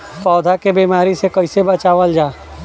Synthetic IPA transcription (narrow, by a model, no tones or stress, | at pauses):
pɔːd̪ʱakebiːmaːɾisekɐɪsebɐt͡ʃaːʋəld͡ʒaː